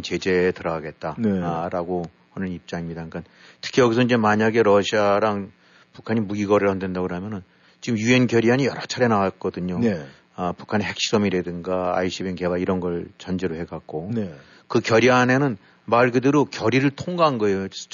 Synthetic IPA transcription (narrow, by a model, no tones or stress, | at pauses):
nt͡ɕe̞d͡ʑe̞tɯɾʌaɡe̞t̚t͈anɾaɡo | ʌnɯnip̚t͡ɕ͈aŋimɲidak͈an | tʰɯ̥kʰijʌɡisʰʌid͡ʑe̞maɲaɡe̞ɾʌɕʰiaɾaŋ | pukʰaɲimuɡiɡʌɾɯɭʌnde̞ndaɡɯɾɦamjʌnɯn | t͡ɕiɡɯmjue̞nkjʌɾiɦaɲijʌɾʌt͡ɕʰaɾe̞naɡak͈ʌdɯɲo | ʌpu̥kʰane̞ɦe̞k̚ɕ͈iɾʌmiɾedɯnɡaa̰iɕʰibenke̞baiɾʌnɡʌɭt͡ɕʌnd͡ʑe̞ɾoɦe̞ɡak̚k͈one | kɯkjʌɾianenɯn | maɭɡɯdɯɾokjʌɾiɾɯɭtʰoŋɡaɦanɡʌe̞jo